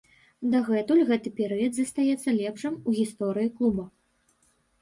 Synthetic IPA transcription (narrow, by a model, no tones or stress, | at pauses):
d̪aɣɛt̪ulʲɣɛt̪ɨpʲɛɾɨjɐd̪zɐst̪ajɛt̪sːɐlʲɛpʂɨmuɣʲist̪ɔɾɨjiklˠubɐ